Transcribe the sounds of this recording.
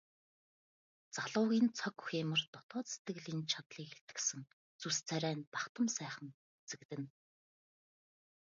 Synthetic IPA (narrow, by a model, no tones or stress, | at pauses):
t͡saɮʊːɣʲiːnt͡sʰɔkuxeːmə̆rt̪ɔt̪ɔːt͡set̪ɘ̆ɣɮiːnt͡ɕʰat̪ɮiːket̪ɡɘ̥̆sɘ̆ŋ | t͡sust͡sʰæɾæːnp̪aχt̪ə̆msæːχə̆n | et͡sɘ̆kt̪ɘ̆n